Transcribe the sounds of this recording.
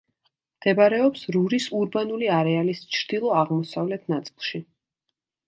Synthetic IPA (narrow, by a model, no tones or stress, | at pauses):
md̪̥ɛbaɾɛɔpsɾuɾisuɾbanuliaɾɛalist͡ʃʰɾd̪̥ilˠɔaʁmɔsavlɛt̪ʰnat̪sʼilˠʃi